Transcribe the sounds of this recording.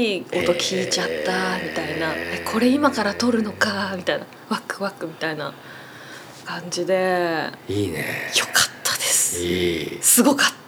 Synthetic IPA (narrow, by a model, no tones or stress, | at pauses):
iko̞t̪o̞kʲʰiːt͡ɕat̪ːamʲit̪ainaekʰo̞ɾe̞imakaɾat̪o̞ɾɯ̟no̞kamʲit̪aina | βakːɯ̟βakːɯ̟mʲit̪aina̰ | kãɲ̟d͡ʑid̪e̞iːnḛjo̞kḁt̪ːḁd̪̥e̞sɨ̥isɨɡo̞kḁt̪ː